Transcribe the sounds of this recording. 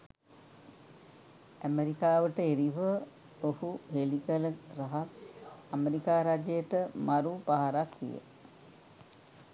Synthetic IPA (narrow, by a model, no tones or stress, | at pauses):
æmeɾikaːʋəʈəeɾiʋə | ohuɦelikələɾaɦasameɾikaːɾad͡ʒəjəʈəmaɾupaɦaɾak̪ʋḭjə̰